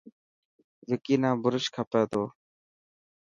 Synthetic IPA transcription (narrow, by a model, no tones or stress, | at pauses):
ʋɪkiːnãːbʊɾɪʃkʰapeːt̪oː